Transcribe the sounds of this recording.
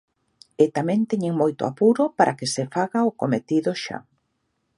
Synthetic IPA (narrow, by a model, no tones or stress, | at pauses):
ɪt̪amɛ̃nt̪ɛɲeŋmojt̪o̰a̰puɾʊpaɾʔakesefaɣaʊkomet̪iðʊʃa̰